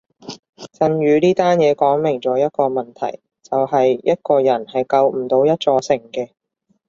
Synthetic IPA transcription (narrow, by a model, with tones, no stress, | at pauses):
t͡sɐ˧nɥyː˨˧niː˥t̪aː˥njɛː˨˧kɔː˨˥ŋmɪ˨˩ŋt͡sɔː˨˥jɐ˥t̚kɔː˧mɐ˨˩nt̪ʰɐ̰˨˩j | t͡sɐ˨wɦɐ˨jjɐ˥t̚kɔː˧jɐ˨˩nhɐ˨jkɐ˧wm̩˨˩t̪o˨˧wjɐ˥t̚t͡sɔː˧sɪ˨˩ŋkɛː˧